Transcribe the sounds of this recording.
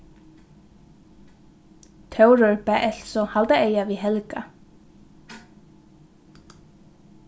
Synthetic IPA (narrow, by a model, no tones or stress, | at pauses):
t̪ʰœwɾœɹpɛʔɛl̥sɔhalt̪aeːjaviɦɛlka